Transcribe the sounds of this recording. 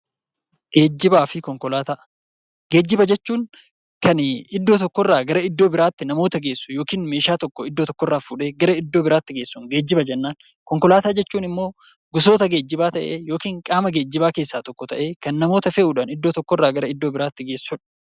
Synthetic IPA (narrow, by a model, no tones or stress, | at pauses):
ɡ̥eːd͡ʒːɪbaːfɪkɔŋkɔlaːt̪aː | ɡ̥eːd͡ʒːɪbɐd͡ʒɛt͡ʃːuːŋ | kɐnɪd̪ːoːt̪ɔkːɔrːaːɡɐɾɐɪd̪ːo̞ːbɪɾaːt̪ːɪnɐmo̞ːt̪ɐɡeːsːʊjoːkiːnme̞ːʃaːt̪ɔkːɔɪd̪ːot̪ɔkːɔrːaːfuːᶑeːɡɐɾɐɪd̪ːo̞ːbɪɾaːt̪ːɪɡe̞ːsːuːŋɡe̞ːd͡ʒːɪbɐd͡ʒɛnːaːn | kɔŋkɔlaːt̪aːd͡ʒɛt͡ʃːuːnɪmːo̞ː | ɡʊs̬o̞ːt̪ɐɡe̞ːd͡ʒːɪbaːt̪ɐʔeːjo̞ːkiːŋkʼaːmɐɡeːd͡ʒːɪbaːke̞ːsːaːt̪ɔkːɔt̪ɐ̰ʔe̞ːkɐnːɐmo̞ːt̪ɐfɛʔuːᶑaːnɪd̪ːo̞ːt̪ɔkːɔrːaːɡɐɾɐɪd̪ːo̞ːbɪɾaːt̪ːɪɡe̞ːsːʊᶑɐ̥